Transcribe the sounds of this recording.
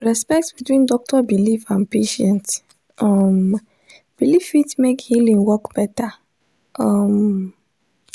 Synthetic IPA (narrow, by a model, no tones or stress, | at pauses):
ɹɛspɛk̚tbitwĩndɔk̚tɔbilifãnpeʃɛ̃nt | ʔɔm | b̥ilifitmekhilĩŋwɔkb̥ɛta | ʔʌm